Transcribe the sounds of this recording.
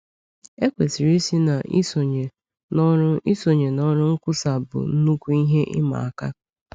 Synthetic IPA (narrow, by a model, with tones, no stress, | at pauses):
e˦kʷe˨si˨ɾi˦si˦na˨ʔo˨ɲe˨˦ | i˦so˨ɲe˨nɔ˦ɾʊ˦ŋ̩˦kʷʊ˦sa˨bʊ̰˨n̩˦nu˦kʷu˦i˦ɦe˦ʔɪ̰˦ma̰˨a˨ka˦